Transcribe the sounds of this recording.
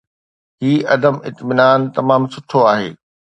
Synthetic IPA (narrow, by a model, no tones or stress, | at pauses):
ɦiːʔɐd̪əmɪ̰t̪mɪnaːnt̪ɐmaːmsʊʈʰoaːɦḛː